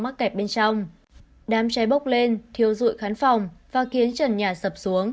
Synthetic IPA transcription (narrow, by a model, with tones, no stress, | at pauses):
ma˦˥t̚kɛ˨˩p̚ɓe˧nt͡ɕɔ˧wŋ͡m | ɗaː˨˦mt͡ɕɛ˨˦jɓə˦˥wk͡p̚le˧nt̪ʰi˨˧˩əwzṵ˧˨jxaː˨˦nfɔ˨˩wŋ͡mvaː˨˩xi˨˦ənt͡ɕə˨˩nɲaː˨˩sə˨˩p̚su˨˦əŋ